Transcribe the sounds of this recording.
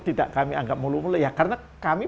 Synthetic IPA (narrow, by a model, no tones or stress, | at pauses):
t̪ida̰ʔkamiaŋɡap̚mulumulʊjakarəna | kami